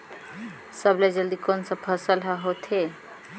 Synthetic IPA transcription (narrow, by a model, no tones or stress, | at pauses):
səbled͡ʒəld̪ikonsə̃pʰəsəlɦəɦot̪ʰe